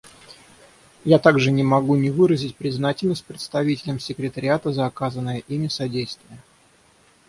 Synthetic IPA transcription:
jat̪aɡʐɨnʲɪmɐɡunʲɪvɨɾəzʲɪtʲpɾʲɪznatʲɪlʲnəsʲt̚ʲpɾʲɪt̪st̪ɐvʲitʲɪlʲəmsʲɪkɾʲɪt̪əɾʲɪat̪əzəːkazənːəjəʔimʲɪsɐdʲejst̪vʲɪjə

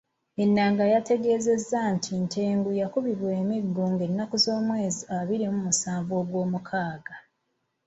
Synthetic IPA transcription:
e̞nːaːŋɡajate̞ɡe̞ːze̞zːantʰinte̞ːŋɡujakuβiɾwe̞ːmiɡːuŋɡe̞nːakuzo̞ːmwe̞ːziaβiɾimumusaːɱvo̞ːɡwo̞ːmukʰaːɡa

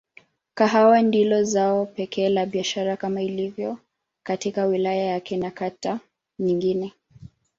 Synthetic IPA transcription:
kaɦawɛndilɔzaɔpɛkʰɛːlaɓiaʃaɾakamailivjɔ | katikawilajajakɛnakata | ɲiŋɡinɛ

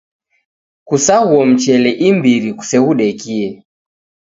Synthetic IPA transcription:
kusahuɔm̩t͡ʃɛlɛʔimbiɾiku̥sɛɣuɗɛkiɛ

